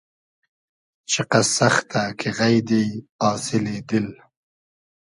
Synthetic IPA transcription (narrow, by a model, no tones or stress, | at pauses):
t͡ʃɪqasaxt̪akʰɪɣajd̪ejɑːsɪled̪ɪl